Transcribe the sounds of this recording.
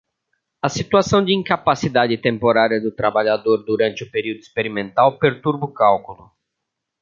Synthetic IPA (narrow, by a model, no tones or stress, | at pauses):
ɐsit̪uasɐ̃w̃d͡ʒɪĩŋkapasid̪ad͡ʒɪt̪ẽmpoɾaɾiɐd̪ʊt̪ɾabaʎad̪oɾd̪uɾɐ̃nt͡ʃɪʊpeɾiwd̪ʊispeɾimẽnt̪awpeɾt̪uɾbʊkawkulʊ